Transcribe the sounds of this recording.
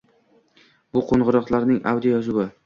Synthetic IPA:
bʊqʰoɴʁʊɾɒqlˠaɾnɪŋʔa̰wd̪ijjɒzʊwɪ

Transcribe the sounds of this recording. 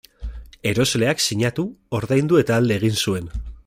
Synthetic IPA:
e̞ɾo̞zle̞aksiɲat̪uo̞ɾðajnd̪ue̞t̪aːld̪e̞ːɣ̞insue̞n

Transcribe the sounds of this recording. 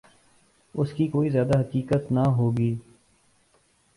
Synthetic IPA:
ʊskikoːizjaːd̪aɦɐkiːkət̪naɦoːɡiː

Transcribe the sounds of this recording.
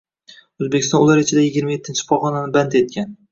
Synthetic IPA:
ɵzbe̞kʲɪst̪ɒnʊlˠaɾɪt͡ʃʰɪd̪ajɪɡʲɪɾmaje̞t̪ʰːɪnt͡ʃʰɪ̥pʰɒχɒnanɪbant̪e̞t̪̚kʲan

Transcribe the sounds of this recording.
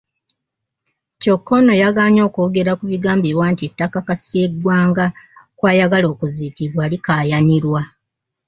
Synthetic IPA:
co̞kːo̞no̞jaɡaːɲo̞ːkoːɡe̞ɾakuβiɡaːmbewaːntie̞tːakakasi̥ce̞ɡwaːŋɡakwaːjaɡalo̞ːkuziːkiβwaːlikaːjaniɾwa

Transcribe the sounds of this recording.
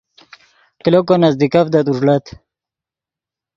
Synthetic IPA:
klokonazd̪ikafd̪at̪uʐlat̪

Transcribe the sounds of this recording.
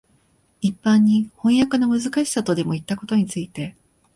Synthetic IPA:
ipːãɲ̟ːihõ̞ɰ̃jakanamɯ̟zɨkaɕi̥sat̪o̞d̪e̞mo̞it̪ːako̞t̪o̞ɲ̟it͡sɨit̪e̞

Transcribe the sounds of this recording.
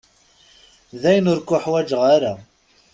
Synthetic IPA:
ðæjənʊɾkːʊħwæd͡ʒəʁaɾa

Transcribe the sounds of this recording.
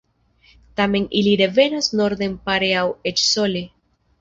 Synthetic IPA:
tame̞niliɾe̞ve̞nasno̞ɾd̪e̞mpaɾeawet͡ʃso̞le

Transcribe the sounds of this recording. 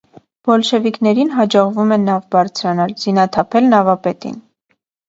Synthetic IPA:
b̥ɔlʃɛviknɛɾinɦɑd͡ʒɔʁvumɛnːɑvbɑɾt͡sʰɾɑnɑlz̥inɑt̪ʰɑpʰɛlnɑvɑpɛt̪ḭn

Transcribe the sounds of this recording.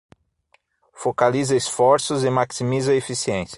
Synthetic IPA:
fokalizɐesfɔɾsʊzɪmaksimizɐefisiẽsjɐ̥

